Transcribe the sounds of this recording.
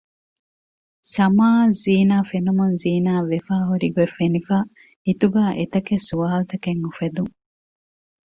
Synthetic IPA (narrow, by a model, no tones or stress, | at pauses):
sɐmaːziːnaːfenumunziːnaːʋefaːɦuɾiɡuefenifaː | it̪uɡaːʔet̪ɐkesuaːlt̪ɐkeŋufed̪uŋ